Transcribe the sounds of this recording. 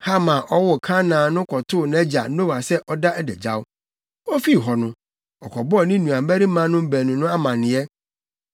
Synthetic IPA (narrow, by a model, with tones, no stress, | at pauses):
ha˦mã˨ʔɔ˦wɔ˨kʰã˦nãː˨nʊ̃˦kʰɔ˨tʰʊ˦˨nɛ̃˦d͡ʑa̰˨˦no˦wa˨sɛ˦ʔɔ˦da˦ʔɛ˦dɛ̰˨d͡ʑa̰˦wʊ˦ | ɔ˦fi˦˨ɦɔ˨nʊ̃˦ | ɔ˨kʰɔ˨bɔ˦ɔ˨nɪ̃˦nũ˨a˨m̩˦bæ˦ɾi˦mã˦nʊ̃˦m̩˦bæ˨nʊ̃˨nʊ̃˦a˦mã˨nɪ̃˨˦ɛ˦